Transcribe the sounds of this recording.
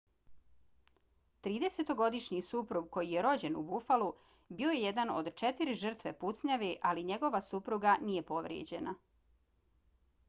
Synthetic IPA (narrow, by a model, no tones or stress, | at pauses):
t̪ɾiːd̪eset̪o̞ɡo̞d̪iʃɲisupɾuɡ̚ko̞jijeɾo̞d͡ʑe̞nubufalu | bio̞je̞jed̪ano̰d̪t͡ʃet̪iɾiʒr̩t̪ʋe̞put̪sɲaʋiʔaliɲe̞ɡo̞ʋasupɾuɡanije̞po̞ʋɾjḛd͡ʑe̞na